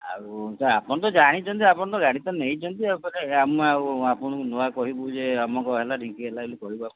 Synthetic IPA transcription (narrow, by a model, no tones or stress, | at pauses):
a̰ɾusaapɔñɔt̪ɔd͡ʒaɽ̃it͡ʃʰɔnt̪iapɔɽɔt̪ɔɡaɽit̪ɔneɦĩt͡ʃʰɔnt̪iakɔɾeamɔauapɔɽ̃ɔ̃ŋkunoakɔɦibud͡ʒeamɔŋkɔɦelaʈiŋkiɦelaelikɔɦibaku